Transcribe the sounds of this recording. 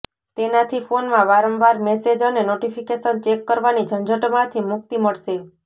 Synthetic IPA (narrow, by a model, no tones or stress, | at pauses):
t̪enat̪ʰifonmãʋaɾəmʋaɾmɛsed͡ʒənenoʈipʰikeʃənt͡ʃekːəɾʋanid͡ʒʱənd͡ʒʱəʈmãt̪ʰimʊk̚t̪iməɭʃe